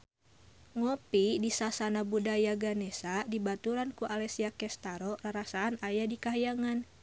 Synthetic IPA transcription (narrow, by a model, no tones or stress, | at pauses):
ŋɔpidisasanabudajaɡanɛsadibat̪uɾankuʔalɛsiakɛst̪aɾɔraɾasaːnajadikaɦajaŋan